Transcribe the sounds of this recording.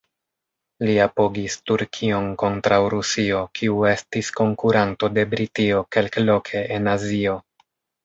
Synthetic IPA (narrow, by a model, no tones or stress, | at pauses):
liapoɡistuɾkʰio̞nko̞ntɾawɾusio̞kʰiue̞stisko̞ŋkuɾanto̞de̞bɾitio̞ke̞lklo̞kʰe̞ʔenazio̞